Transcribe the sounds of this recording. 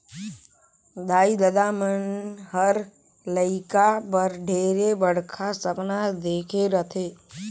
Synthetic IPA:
d̪aːid̪əd̪amənɦəɾ | ləɪkapəɾɖʱeːɾebəɽ̤kʰasəpnad̪eːkʰeɾət̪ʰeː

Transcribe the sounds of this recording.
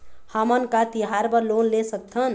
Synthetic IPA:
həmənkat̪iɦaɾbəɾlonlesək̚t̪ʰən

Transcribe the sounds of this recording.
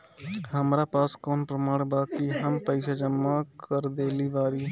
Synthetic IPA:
hɐmɾapaːskɔːnpɾəmaːɽ̃baːkiɦɐmpəɪʃad͡ʒəmːakəɾd̪eːliʋaːɾiː

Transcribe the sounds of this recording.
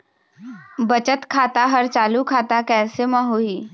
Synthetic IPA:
bɐt͡ʃət̪kʰaːt̪aɦɐɾt͡ʃaːlukʰaːt̪akɛːsemãɦoiː

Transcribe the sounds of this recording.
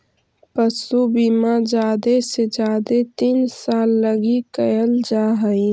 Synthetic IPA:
pəsubimad͡ʒaːd̪esed͡ʒaːd̪et̪iːnsaːlːəɡikəjəld͡ʒaːɦəi

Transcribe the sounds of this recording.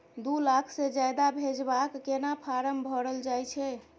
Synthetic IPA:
d̪ulakʰsed͡ʒajd̪abʱed͡ʒbakːenapʰaɾəmbʱɔɽəld͡ʒajt͡ʃʰɛ

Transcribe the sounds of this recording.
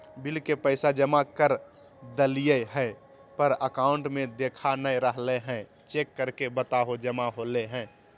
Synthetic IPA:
bɪlkepəɪsad͡ʒəmakəɾ | d̪əlijəɦɛ̃ | pəɾəkaʊɳʈmẽd̪ekʰanəjɾəɦleɦɛ̃ | t͡ʃekːəɾkebət̪aɦod͡ʒəmaɦoleɦɛ̃ː

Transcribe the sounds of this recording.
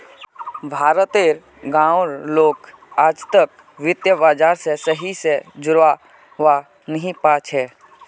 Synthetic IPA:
bʱaːɾət̪eɾ | ɡãːoɾloːk | aːd͡ʒt̪ək | ʋɪt̪jəbaːd͡ʒaːɾsesəɦised͡ʒʊɾa | ʋa | nəɦĩpaːt͡ʃɦɛː

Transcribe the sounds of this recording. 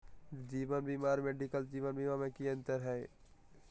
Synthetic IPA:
d͡ʒiːʋənbiːmaːɾmeɖikəld͡ʒiːʋənbiːmaːɾmẽkiə̃nt̪əɾɦɛː

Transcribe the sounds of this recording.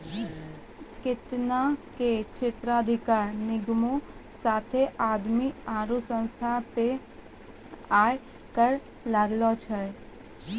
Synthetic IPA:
skɪt̪naket͡ʃʰɪt̪ɾəəd̪ʱɪkaːɾnɪɡmosaːt̪ʰeʔaːd̪miaːɾusə̃nst̪ʰape | aːe | kəɾ | laɡlot͡ʃʰə

